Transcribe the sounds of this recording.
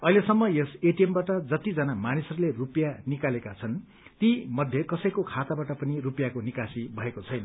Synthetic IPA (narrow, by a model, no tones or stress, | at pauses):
ʌɦilesʌmːʌjeseʈijembaʈʌd͡zʌt̪id͡zʌnamanisʌɾulerupjanikalekat͡sʰʌn | t̪imʌd̪ʱjekʌsʌjkokʰat̪abaʈʌpʌnirupjakonikasibʱʌekot͡sʰʌjnʌ